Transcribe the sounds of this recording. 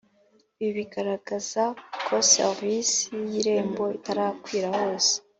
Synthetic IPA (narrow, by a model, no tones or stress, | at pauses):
βiβiɡaɾaɡ̥az̥akʰo̞sḛʁvisijiɾe̞ːmbo̞itaɾaːkwiːɾaho̞ːse̥